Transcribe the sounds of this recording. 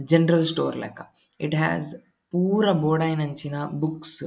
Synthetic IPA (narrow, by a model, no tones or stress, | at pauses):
d͡ʒenɾɐlsʈo̰ːɾlɛ̰ːkɐ | iʈɦæ̰ːz | puːɾɐboːɽɐjnɐɲt͡ʃinɐbuks